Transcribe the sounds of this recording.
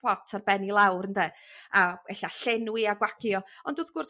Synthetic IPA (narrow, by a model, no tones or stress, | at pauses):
ɔtʰarbɛnilˠawrəndɛ | aɛɬaɬɛnwiaɡwaɡjɔɔndoːðɡʊr